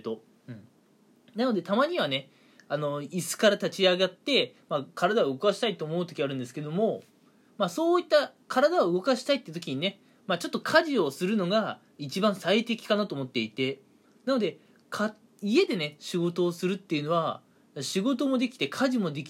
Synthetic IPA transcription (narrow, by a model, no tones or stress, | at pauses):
t̪o̞ | nanod̪e̞t̪amaɲ̟iβane̞ | ano̞isɨ̥kaɾat̪at͡ɕiaɡat̪ːe̞makʰaɾad̪aβɯ̟ɡo̞kaɕi̥t̪ait̪ːoːmo̞ɯ̟t̪o̞kʲiaɾɯ̟̃nd̪e̞sɨ̥ke̞d̪o̞mo̞ | maso̞ːit̪ːakʰaɾad̪aoɯ̟ɡo̞kaɕi̥t̪ait̪ːeɯ̟t̪okʲiɲ̟ine̞ | mat͡ɕo̞t̪ːokʰaʑio̞sɨɾɯ̟no̞ɡa | it͡ɕibãɰ̃sait̪e̞kʲi̥kanat̪o̞ːmo̞t̪ːe̞it̪e̞ | nano̞d̪e̞ | kʰa | ie̞d̪e̞ne̞ɕiɡo̞t̪o̞ːsɨɾɯ̟t̪ːe̞jiɯ̟no̞β̞a | ɕiɡo̞t̪o̞mo̞d̪e̞kʲi̥t̪e̞kʰaʑimo̞d̪e̞kʲi